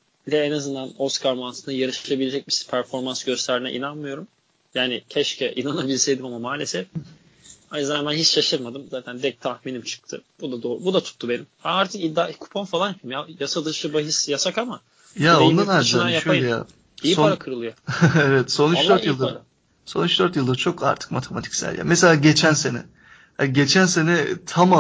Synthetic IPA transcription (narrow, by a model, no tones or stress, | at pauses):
lʲɛɛnazɯnd̪anoskʰaɾmant̪ʰɯnajaɾɯʃlˠabilʲe̞d͡ʒɛc̚bispʰæɾfo̞ɾmansɟ̥øst̪ʰæɾinɛ̰ʔḭnanmɯjo̞ɾum | jaːnɪcʰɛʃcʰɛʔinanabilʲsɛjd̪imamamaːlʲesɛf | hanzanmænɦit͡ʃʃaʃɯɾmad̪ɯmzaːt̪ʰænd̪ɛc̚t̪ʰahminimt͡ʃʰɯ̥k̚t̪ʰɯ̰b̥ud̪ad̪oːɾbud̪at̪ʰu̥t̪ʰːube̞nimaaɾt̪ʰɯkid̪akʰu̥pʰonfalˠanjapʰɯmjajasad̪ɯʃɯbaɦisjasakama | jaonnd̪anazʃnajaʃøllʲɛja̰ː | isip̪onɾakʰɯɾɯlˠɯjoɛvɛt̪so̞nyd̪øɾjɯlˠɯ | so̞̰nyt͡ʃd̪øɾt̪jɯlˠd̪aɾt͡ʃʰo̞kʰa̰ɾt̪ʰɯ̥k̚mat̪ʰe̞mat̪ʰi̥csæ̰lʲja̰mɛse̞lʲaːɟe̞t͡ʃʰænse̞nɛ̰ | haniɟet͡ʃʰænse̞nɛt̪ʰama